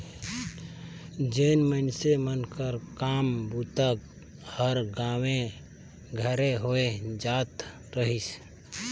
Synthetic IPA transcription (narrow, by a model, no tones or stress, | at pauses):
d͡ʒenməɪnsemənkəɾkambut̪ək | həɾɡãwẽ | ɡʱəɾeɦoed͡ʒat̪ | ɾəɦis